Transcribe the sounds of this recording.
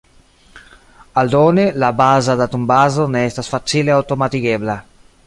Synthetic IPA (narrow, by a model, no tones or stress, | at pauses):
ald̪ɔːnelabaːzad̪at̪umbazoneɛst̪asfat͡ʃːileawt̪omat̪ikɛbla